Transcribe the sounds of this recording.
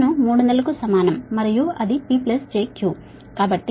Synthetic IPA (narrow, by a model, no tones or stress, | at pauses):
numuːɽund̪ɐlɐkusɐmaːnɐmːɐɾijuɐd̪ipiːplesd͡ʒeːkjuː | kaːbɐʈːi